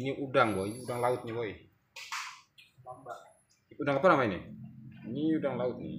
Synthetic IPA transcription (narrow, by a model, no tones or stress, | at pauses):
niʔudaŋbɔiniudaŋlaʊt̪̚ɲibɔi | udaŋapanamainḭiɲiudaŋlaʊt̪̚nḭ